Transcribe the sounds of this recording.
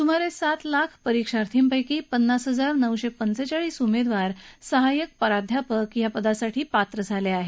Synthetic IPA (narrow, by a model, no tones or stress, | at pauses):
sum̤aɾesat̪lakʰpəɾikʂaɾt̪ʰiːmpəjkiːpənːasɦəd͡zaɾnəwɕepənsət͡ɕaɭiːsumed̪ʋaɾsəɦajək̚pəɾad̪ʱjapəkjapəd̪asaʈʰiːpat̪ɾəd͡zʱaleaɦe